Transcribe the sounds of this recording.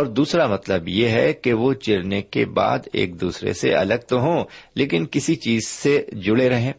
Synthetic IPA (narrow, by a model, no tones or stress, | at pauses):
ɔːɾd̪uːsɾamɐt̪ləbjeɦɛkeʋot͡ʃɪɾnekḛba̰ːd̪ḛːk̚d̪uːsɾḛsḛɐ̰ləɡ̚t̪oɦõːleːkɪnkɪsit͡ʃiːzsed͡ʒʊɽeɾɐɦẽː